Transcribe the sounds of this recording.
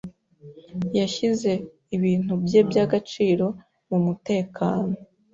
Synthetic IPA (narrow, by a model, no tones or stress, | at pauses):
jaʃize̞ | iβiːn̥ubje̞bjaɡat͡ʃiːɾo̞ | mumute̞ːkʰaːno̞